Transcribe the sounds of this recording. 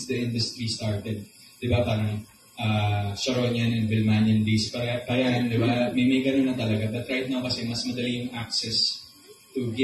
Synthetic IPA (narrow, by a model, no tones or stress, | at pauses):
sd̪ɐʔɪ̃nd̪ʊst̪ɾist̪aɹt̪ɛd̪̚ | d̪̥ɪbapaːɾɐŋ | ʔaːsɐɾoɲɐnɛnbɪlmanɐnbispɐɾɛpɐɾɐand̪ɪbamɐjmɐjɡɐnonːɐt̪ɐlɐɡabɐt̪ɾajt̪̚nɐokɐsɛmɐsmɐd̪ɐlijʊŋʔak̚sɛs | t̪ʊɡɛ